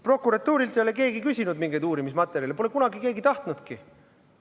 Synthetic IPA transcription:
pro̞kːuɾɑt̪ːuːɾilt̪e̞jo̞leke̞ːɡikysʲinud̪miŋɡ̥ed̪uːɾimismɑt̪ːˑeɾjɑlpo̞le̞kunɑɡike̞ːɡit̪ɑht̪nud̪̥ki

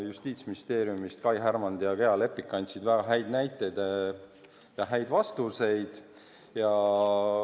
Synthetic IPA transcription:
just̪iːt̪sminʲist̪e̞ːɾjumist̪kɑjɦæɾmɑnd̪jɑke̞ɑle̞pːˑikːˑɑnʲt̪ʲsid̪væɡ̥ɑɦæjd̪næjt̪ːˑe̞jd̪̥e | jɑɦæjd̪̥vɑst̪use̞jd̪̥ | jɑ

